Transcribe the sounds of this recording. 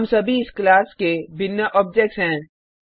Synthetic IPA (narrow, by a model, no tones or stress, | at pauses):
msɐbʱiɪsklaːskebɪnjaʔɔːb̚d͡ʒek̚ʈsɦɛ̃ː